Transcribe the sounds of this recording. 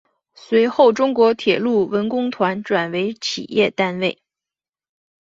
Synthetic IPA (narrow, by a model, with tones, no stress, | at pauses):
swe˧˥ɪxo˥˩ʊʈ͡ʂʊ˥ŋkwɔ˧˥t̪ʰjɛ˨˩lu˥˩wə˧˥nkʊ˥ŋt̪ʰwa˧˥nʈ͡ʂwa˨˩nwe˧˥ɪt͡ɕʰḭ˨˩jɛ˥˧t̪a˥nwe˥˩ɪ